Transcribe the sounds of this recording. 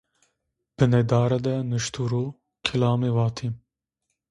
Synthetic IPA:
b̥ɨnɛd̪ɑːɾɛd̪ɛnɨʃt̪ʰuːɾoː | kʰilɑːmeːwɑːt̪ʰim

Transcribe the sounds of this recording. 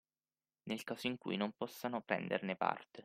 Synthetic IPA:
nelkaːsoiŋkṵjnompɔsːanopɾɛ̰nd̪ḛrnepa̰rt̪e

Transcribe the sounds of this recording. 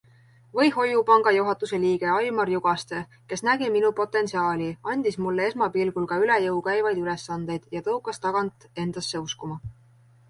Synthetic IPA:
vɤjho̞jupɑŋɡ̥ɑjuɦɑt̪ːˑuse̞liːɡ̥e̞ɑjmɑrjuɡ̥ɑst̪e̞ | ke̞snæɡiminupo̞t̪ːˑe̞nsiɑːlʲiɑnʲd̪̥ismulːee̞smɑpilɡulkɑylejɤwkæjvɑjd̪̥ylesːɑnd̪̥e̞jd̪̥jɑt̪ɤukːˑɑst̪ɑɡ̥ɑnt̪ˑe̞nd̪̥ɑsːe̞uskumɑ

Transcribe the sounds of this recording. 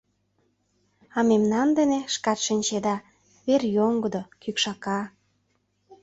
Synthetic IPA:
ɑmemnɑnd̪eneʃkɑt̪ʃinʲt͡ɕed̪ɑ | βerjoŋɡəd̪okykʃɑkɑ

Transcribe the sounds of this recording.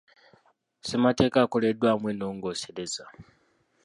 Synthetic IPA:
semate̞ːkaːko̞le̞dwaːmweno̞ːŋɡo̞se̞ɾe̞za

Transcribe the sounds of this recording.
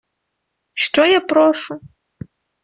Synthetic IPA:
ʂʈ͡ʂɔjapɾoʂu

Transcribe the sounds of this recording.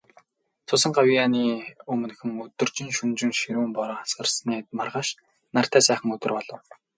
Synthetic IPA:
t͡sʰʊsə̆ŋɢawijaniːɵmɘ̆nxɘ̆ŋɵt̪ɵ̆rt͡ɕĭŋʃɵnt͡ɕɪ̆ŋʃiɾuːmpɔɾɔːχasə̆rsniːt̪marʁaːʃ | nar̥t̪æːsæːχə̆ŋɵt̪ɵ̆rpɔɮɞ̆w

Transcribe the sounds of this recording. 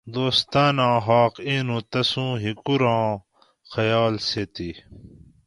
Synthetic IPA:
d̪oːst̪aːnãːɦaːqiːnũt̪ɐsũːɦikuɾãː | xɐjaːlseːt̪i

